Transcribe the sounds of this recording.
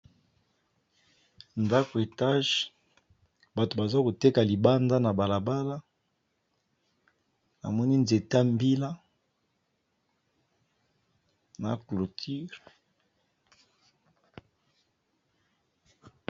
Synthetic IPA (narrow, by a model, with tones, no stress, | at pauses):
nda˦ko˨e˨ta˦ʒ | ba˨to˨ba˨za˦ko˨te˦ka˨li˨ba˦nda˦na˨ba˨la˨ba˦la˦ | a̰˨mɔ˦ni˦nze˨ta˦mbi˦la˦ | na̰˨klo˨tʰi˦ʁ